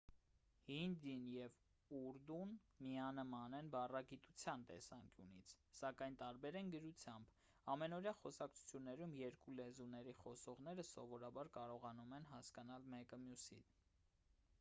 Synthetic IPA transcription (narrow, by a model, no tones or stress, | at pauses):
hind̪injɛv | uɾd̪un | miɑnəmɑnɛnbɑrɑɡit̪ut͡sʰjɑnt̪ɛ̰sɑŋkjṵnḭt͡sʰsɑkɑjnt̪ɑɾbɛɾɛnɡəɾut͡sʰjɑmb | ɑmɛnɔɾjɑχɔsɑk̚t͡sʰu̥t͡sʰjunːɛɾumjɛɾkulɛzunɛɾiχɔsɔʁn̪ɛɾəsɔvɔɾɑbɑɾkɑɾɔʁɑnumɛnɦɑskɑnɑlmɛkəmjusḭn